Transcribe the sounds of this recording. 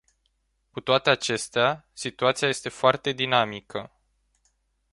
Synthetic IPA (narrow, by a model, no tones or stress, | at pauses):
kut̪oat̪e̞at͡ʃe̞st̪easit̪uat̪siaje̞st̪e̞foart̪e̞d̪inamikʰə